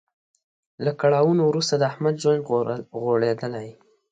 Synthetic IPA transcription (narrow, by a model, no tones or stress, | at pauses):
lakaɽɑwunowɾust̪ad̪əahmad̪ʒwand̪ɣoɽed̪əlaj